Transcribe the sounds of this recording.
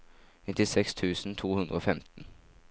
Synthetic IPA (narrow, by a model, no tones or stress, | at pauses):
nɪt̪ɪsɛkst̪ʰʉːsn̩t̪ʰuːhʉnd̪ɾəoːfɛmt̪n̩